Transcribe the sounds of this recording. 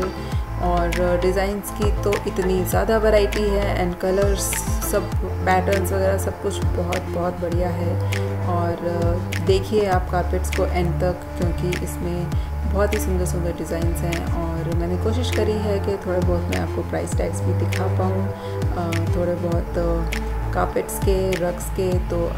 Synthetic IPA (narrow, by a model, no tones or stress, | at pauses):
ɔːɾɖɪzaːɪnzkit̪oʔɪt̪nizjaːd̪aʋɛɾaːɪʈiɦɛɛ̰̃ːɳɖkɐləɾzsɐbpɛːʈəɾnzʋɐɣɛːɾasɐb̚kʊt͡ʃʰbɔɦɔt̪bɔɦɔt̪bɐɽijaɦɛɔːɾd̪eːkʰieaːp̚kaːɾpɪʈskoʔɛ̃ːɳɖt̪ɐkkjõːkiʔɪsmẽ | bɔɦɔt̪ɦisʊ̃nd̪əɾsʊ̃nɡ̪əɖɪzaːɪnzɦɛ̃ɔːɾmɛ̃ːnekoːʃɪʃkɐɾiɦɛket̪ʰoːɽebɔːt̪mḛ̃aːp̚kopɾa̰ːɪsʈɛːksbĩd̪ɪkʰapɐ̃ŋɡ | t̪ʰoːɽebɔːɔt̪ | kaːpɪʈskeɾɐksket̪oː